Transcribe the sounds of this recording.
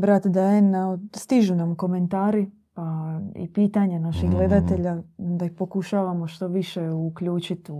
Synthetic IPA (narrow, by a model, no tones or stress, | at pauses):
bɾat̪d̪aenast̪iʒunamko̞me̞nt̪aːɾi | paḭpiːt̪aɲanaʃixɡle̞d̪at̪e̞ʎad̪aixpo̞kuʃaːʋamoʃt̪o̞ʋiʃeukʎuːt͡ʃit̪u